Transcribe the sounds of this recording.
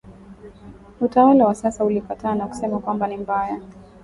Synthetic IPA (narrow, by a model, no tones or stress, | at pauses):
utawalawasasaulipataːnaku̥sɛmakwambanimbaja